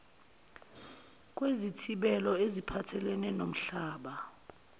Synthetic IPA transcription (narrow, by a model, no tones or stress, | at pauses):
k̬ʼwezitʰiɓɛlɔezipʰatʰɛlɛnɛnom̩ɬaːɓa